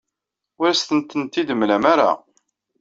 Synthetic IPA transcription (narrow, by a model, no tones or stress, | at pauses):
ʊɾæst̪ənt̪ːənt̪id̪əmlæmaɾa̰